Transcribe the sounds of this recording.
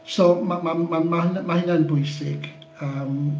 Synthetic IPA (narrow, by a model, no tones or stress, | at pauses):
somamamanmanmahɪnanbʊjsɪɡ̥ | əm